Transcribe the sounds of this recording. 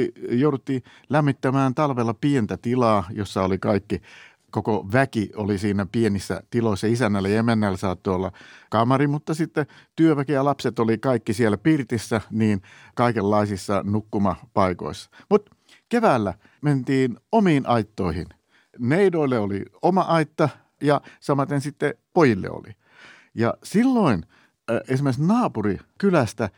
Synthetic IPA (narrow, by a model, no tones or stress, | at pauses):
ijoudut̪ːiː | læmːit̪ːæmæːnt̪ɑlʋelːɑpient̪æt̪ilɑːjosːɑolikɑikːi | kokoʋækiolisiːnæpienisːæ̰t̪iloisːɑisænːælːæjemːenːælːæsɑːt̪ːoolːɑkɑmɑrimut̪ːɑsit̪ːet̪yøʋækijɑlɑpset̪olikɑikːisielːæpirt̪isːæniːn | kɑikelːɑisisːɑnukːumɑpɑiko̰isːɑ̥mut̪ | keʋæːlːæ | ment̪iːnomiːnʔɑit̪ːoihḭn | neidoilːeolḭomɑʔɑit̪ːɑ | jɑsɑmɑt̪ensit̪ːepojilːḛo̰lḭ | jɑ̰silːoin | ensimːˑesnɑːpurikylæst̪æ